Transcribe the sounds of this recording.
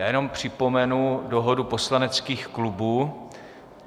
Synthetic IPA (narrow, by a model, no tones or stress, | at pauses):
jaːjɛno̞mpr̝̥ɪpo̞mɛnudoɦodupo̞slanɛt͡skiːxklubuː